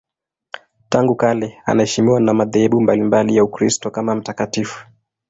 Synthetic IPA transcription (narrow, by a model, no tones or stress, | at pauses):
taŋɡukalɛa̰nahɛʃimiwanamaðɛhɛɓumbalimbalijaukɾistɔkamam̩takatifu̥